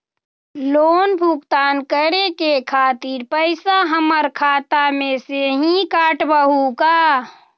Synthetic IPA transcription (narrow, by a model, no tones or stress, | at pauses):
loːnbʱuɡt̪aːnkəɾekekʰaːt̪iɾpəɪsaɦəməɾkʰaːt̪amẽseɦĩkaːʈbəɦuka